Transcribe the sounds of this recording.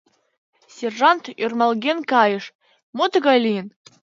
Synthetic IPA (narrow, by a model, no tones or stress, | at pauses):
sʲerʐant̪ørmɑlˠɡʲenkɑjəʂ | mot̪ɡalʲin